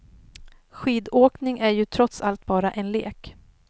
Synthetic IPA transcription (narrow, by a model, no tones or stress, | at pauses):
ɧiːd̪oːknɪŋʔæɾjɵt̪ʰɾɔt̪salt̪̚bɑːɾaʔɛnlḛːk